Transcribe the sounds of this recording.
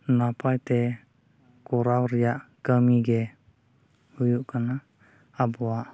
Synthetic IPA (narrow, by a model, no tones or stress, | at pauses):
napajt̪ɛ | kɔɾawɾijaʔkəmiɡɛ | ujuʔkana | abɔaʔ